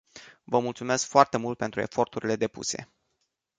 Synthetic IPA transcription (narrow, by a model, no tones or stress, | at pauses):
vəmult̪sume̞skfoart̪e̞mult̪̚pe̞nt̪ɾue̞fo̞rt̪uɾʲile̞d̪e̞pṵse̞̰